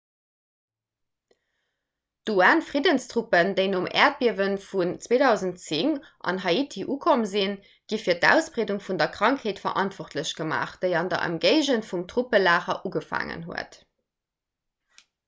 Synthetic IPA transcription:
d̥uaːnfʁidənstʁ̥upəndeɪnomɛ̰ːɐt̚b̥iəvənfunt͡sweːdɑʊzəntt͡siŋʔɑ̰nɦɑitʰiʔuːkʰomzin | ɡ̥ifiːɐtæ̰ʊsb̥ʁeːduŋfundɐkʁ̥ɑŋkheːtfɐ̰ʔɑntv̥ɔχtʰləɕɡ̥əma̰ːχd̥eɪɑndɐ̰ʔə̰mɡəɪʑənfumtʁ̥upəlaːχɐ̰ʔuɡəfa̰ːŋə̰nɦṵət

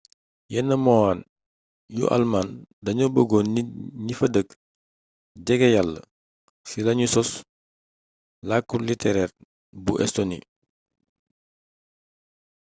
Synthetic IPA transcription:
jɛnːəmɔaːn | jṵʔa̰lmandɐɲɔbəɡɔniɲifɐdək | ɟɛɡɛjalːə̰ | silɐɲusɔs | lakːulitɛɾɛːr | buʔɛ̰stonḭ

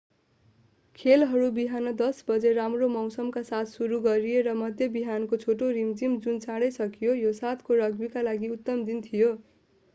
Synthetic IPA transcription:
kʰelɦʌɾubiɦanʌd̪ʌsbʌd͡zeramromʌwsʌmkasat̪ʰsuɾuɡʌɾijeɾʌmʌd̪ʱjebiɦankot͡sʰoʈoɾimd͡zimd͡zunt͡saɽʌjsʌkijojosat̪ʰkoɾʌɡbikalaɡiut̪ːʌmd̪int̪ʰijo

